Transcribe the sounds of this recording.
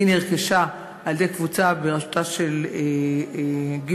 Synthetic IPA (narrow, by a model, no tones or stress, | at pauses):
ineʁkeʃa | ald̪ekvut͡sabeʁaʃo̥t̪aʃele | ɡ